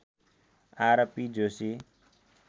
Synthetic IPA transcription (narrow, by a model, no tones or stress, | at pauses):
aɾʌpid͡ʒosi